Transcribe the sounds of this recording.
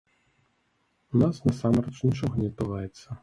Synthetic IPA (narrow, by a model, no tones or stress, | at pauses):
unasnɐsamɾɛt͡ʂnʲit͡ʂɔɣɔnʲɛt̪uvajɛt̪sːɐ